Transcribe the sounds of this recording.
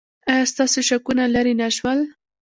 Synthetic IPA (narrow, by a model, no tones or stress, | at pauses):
ajɑst̪ɑsoʃakunalaɾinaʃwəl